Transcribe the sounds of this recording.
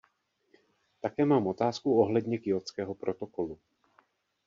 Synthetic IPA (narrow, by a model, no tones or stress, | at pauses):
t̪akɛːmaːmo̞t̪aːskuoɦlɛd̪ɲɛkɪot͡skɛːɦo̞pɾot̪okolu